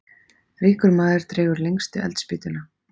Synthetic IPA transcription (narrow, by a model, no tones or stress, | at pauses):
riːkʏɾmaːðɪɾ̥t̪ɾeːɣʏɾlejŋkst̪ɪɛ̰lt̪spɪːt̪ʏna